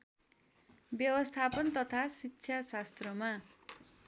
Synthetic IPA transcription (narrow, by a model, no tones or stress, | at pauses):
bjʌwʌst̪ʰapʌnt̪ʌt̪ʰasitːɕʰasast̪rʌma